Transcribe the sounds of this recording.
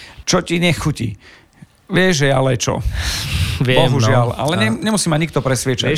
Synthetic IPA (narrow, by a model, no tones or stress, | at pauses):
t͡ʃɔciɲɛxucḭ | ʋɪɛʒɛalɛt͡ʃɔ̰ | ʋɛbɔɦuʒɪala̰lɛɲɛɲɛmusiːmaɲikt̪ɔpɾɛsʋɪɛt͡ʃa